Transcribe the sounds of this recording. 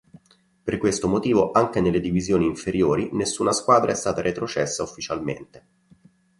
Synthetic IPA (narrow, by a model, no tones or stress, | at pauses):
perkwest̪omot̪iːvoʔaŋk̟enelːed̪ivizjoːniːɱfeɾjoːɾinesːuːnaskwaːd̪ɾʔaɛst̪aːt̪aɾʔet̪ɾot͡ʃɛsːaufːit͡ʃalmḛnt̪e̥